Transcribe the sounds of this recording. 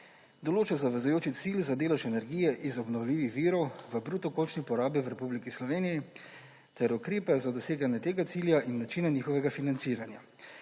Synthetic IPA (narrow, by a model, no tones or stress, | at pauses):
d̪ɔloːt͡ʃazaʋɛzujoːt͡ʃit̪silzad̪eːlɛʃɛnɛɾɡiːjɛʔizɔbnɔwlʲiːʋixʋiːɾɔwʋəbɾuːt̪ɔkoːlt͡ʃnipɔɾaːbiʋɾɛpublikislɔʋeːniji | t̪ɛɾukɾeːpɛzad̪ɔseːɡanjɛt̪eːɡat̪siːljaʔinːat͡ʃinaniːxɔʋɛɡafinant̪siːɾanja